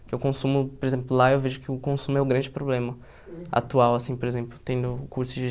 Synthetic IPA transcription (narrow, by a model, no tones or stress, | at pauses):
kɪʊkõsũmʊpoɾezẽmplʊlaewveʒʊkɪʊkõsũmʊɛʊɡɾɐ̃nd͡ʒɪpɾoblẽmɐ | a̰t̪uawasĩpoɾezẽmplʊt̪ẽj̪̃d̪ʊkuɾsʊd͡ʒɪ